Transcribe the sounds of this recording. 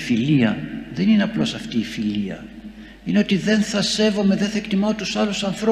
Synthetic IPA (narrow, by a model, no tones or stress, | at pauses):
filiɐðe̞nineɐplo̞sɐft̪iːfiliɐ̰ | ineo̞t̪iðe̞nθɐse̞vo̞meðenθɐekt̪imɐot̪usɐlusɐnθɾo